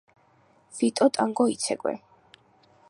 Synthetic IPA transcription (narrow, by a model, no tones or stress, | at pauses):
fit̪ʼɔt̪ʼaŋɡɔit̪sʰɛkʼwɛ̰